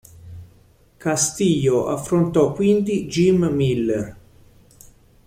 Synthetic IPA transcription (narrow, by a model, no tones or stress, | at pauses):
kast̪iʎoʔafɾont̪ɔkːwind̪id͡ʒimmilːer